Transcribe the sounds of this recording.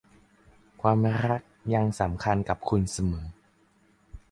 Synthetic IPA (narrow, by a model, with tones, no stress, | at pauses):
kʰwaː˧mɾa˦˥k̚ja˧ŋsa˩˦mkʰa˧nka˨˩p̚kʰu˧nsa˧mɤː˩˦